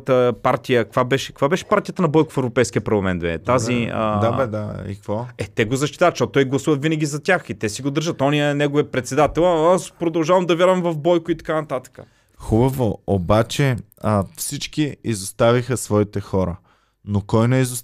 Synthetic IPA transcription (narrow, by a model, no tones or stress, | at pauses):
t̪əpaɾt̪ʲijəkəkvabɛʃɛ̥kəkvabɛʃɛ̥paɾt̪ijət̪ənɐbɔjkʊ̥fɛvɾopɛjskʲiəpɐɾlˠɐmɛnt̪vɛ̰t̪aziə̰d̪abɛd̪aḭkkvɔɛt̪ɛɡozɐʃt̪i̥t̪avət̪ʃtɔtt̪ɔjɡlˠɐsuvɐt̪vinɐɡʲizɐt̪ʲaxit̪ɛsiɡod̪əɾʒət̪ɔnijənɛɡoviəpɾɛt̪sɛd̪at̪ɛlˠaspɾod̪ɐlˠʒavɐmd̪ɐvjaɾvɐmvɐfbɔjkʊit̪ɐ̥kanɐt̪at̪ə̥kə̥̰ | xubəvoobat͡ʃɛ | fsit͡ʃkiizost̪avixəsvɔit̪ɛxɔɾə | nokɔjnɛizo